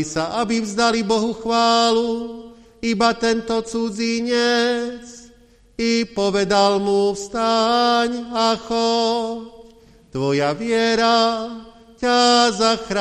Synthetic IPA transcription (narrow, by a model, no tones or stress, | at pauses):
isaʔabivzd̪alibɔɦuxʋaːlu | ibat̪ɛnt̪ɔt͡sud͡ziɲɛt͡s | ipɔʋɛd̪almufst̪aɲaxɔc | t̪ʋɔjaʋɪɛɾa | cazaxɾa